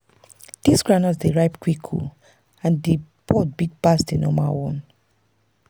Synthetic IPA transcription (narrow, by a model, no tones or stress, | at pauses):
d̥isɡɹanɔsdeɹaɪpkwikʰṵ | ãndebɔt̚biɡ̚basdenɔmawɔ̃n